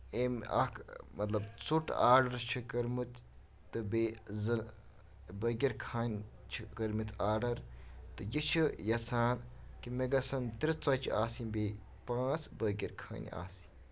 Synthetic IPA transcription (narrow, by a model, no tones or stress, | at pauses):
eːmɐ̰kʰmɐt̪lɐbt͡suʈaːɖɐɾt͡ʃʰikɐɾmut̪ː | ɨbeːzɨ | bəːɡʲiɾkʰaːnʲ | t͡ʃʰikəɾmit̪ʰaːɖɐɾt̪ɨjit͡ʃʰijɐsʰaːnkimeɡɐsɐnt̪iɾit͡sɐt͡ʃʰiaːsibeː | pãːt͡sbəːɡʲɐɾkʰa̰ːnʲa̰ːsi